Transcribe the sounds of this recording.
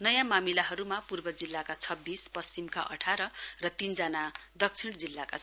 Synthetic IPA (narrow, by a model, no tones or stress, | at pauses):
nʌjãmamilaɦʌɾumapurbʌd͡zilːakat͡sʰʌbːispʌst͡simka̰ʔʌ̰ʈʰaɾʌrʌt̪ind͡zanad̪ʌk̚t͡sʰiɽ̃d͡zilːaka̰